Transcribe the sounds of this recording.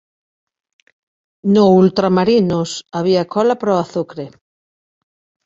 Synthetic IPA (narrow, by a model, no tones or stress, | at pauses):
noult̪ɾamaɾinʊsaβ̞iakʰɔlapɾoaθukɾe